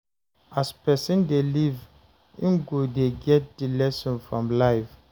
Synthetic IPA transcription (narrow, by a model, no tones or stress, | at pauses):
aspɛsĩndeliv | ĩnɡodeɡɛt̚d̥ilɛsɔ̃nfɹɔ̃mlaɪf